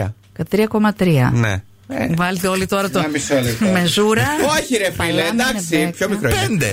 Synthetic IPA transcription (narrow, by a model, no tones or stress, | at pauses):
ɐ | kɐt̪ɾiɐko̞mɐt̪ɾiɐ̰nḛ | vɐlet̪eo̞lit̪o̞ɾɐt̪oɐmisolime̞zuɾɐoçiɾefpɐilemd̪ɐksipçomikɾopend̪e